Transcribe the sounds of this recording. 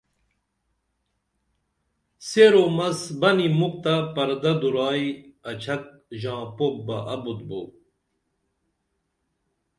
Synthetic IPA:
seɾoːmɐsbɐnimuk̚t̪ɐpɐɾd̪ɐd̪uɾɑːiɐt͡ʃʰɐk̚ʑɑ̃ːpok̚bɐʔɐbut̪̚bu

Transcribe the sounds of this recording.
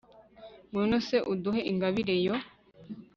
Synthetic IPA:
munoseʔud̪uheʔiŋɡaβiɾejo

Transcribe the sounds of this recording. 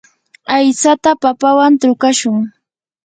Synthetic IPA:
ajt͡sat̪apapawant̪ɾʊkaʃʊŋ

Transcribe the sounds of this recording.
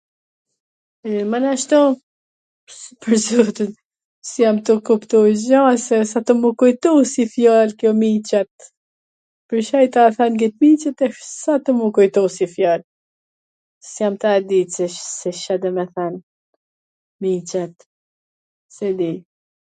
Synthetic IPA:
ɛmanaʃt̪ɔ | pəɾzut̪ən | sjamt̪ukupt̪uzɔsɛsat̪ɔmukujt̪usifjalkjɔmit͡ʃat̪̚ | pəɾʃajt̪aaθanɡit̪̚mit͡ʃat̪ɛsat̪umukujt̪usifjal | sjamt̪aad̪it͡sɛʃsɛʃad̪ɛmɛθan | mit͡ʃat̪ | sɛd̪i

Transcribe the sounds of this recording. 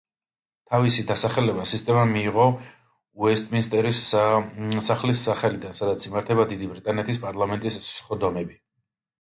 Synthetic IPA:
t̪ʰavisid̪asaχɛlɛbasist̪ʼɛmamiːʁɔ | uɛst̪ʼminist̪ʼɛɾis | saχlisːaχɛlid̪ansad̪at̪sʰimaɾt̪ʰɛbad̪id̪ibɾit̪ʼanɛt̪ʰispʼaɾlˠamɛnt̪ʼisssχɔd̪ɔmɛbi

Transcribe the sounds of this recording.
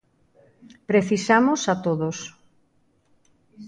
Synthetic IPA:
pɾeθisamosat̪oðos

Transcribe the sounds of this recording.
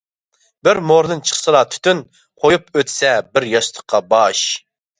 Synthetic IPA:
bɪɾmoɾd̪ɨnt͡ʃʰə̥χsɨlˠɑt̪ʰy̥t̪ʰyn | qʰojupøt̪ʰsɛbɪɾjɑʃt̪ʰə̥qʰːɑbɑʃ

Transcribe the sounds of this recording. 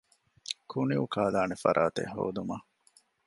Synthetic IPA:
kʰuniukaːlaːnefɐɾʔaːt̪ḛɦo̰ːd̪umɐ

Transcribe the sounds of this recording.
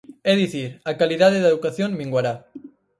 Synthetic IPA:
eðiθiɾakaliðaðeðeðukaθjonbiŋɡwaɾa

